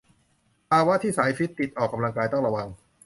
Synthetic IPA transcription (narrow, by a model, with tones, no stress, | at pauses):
pʰaː˧wa˦˥t̪ʰiː˥˩saː˩˦jfi˦˥t̪ːi˨˩t̪̚ʔɔː˨˩kːa˧mla˧ŋkaː˧jt̪ɔ˥˩ɾa˧wa˧ŋ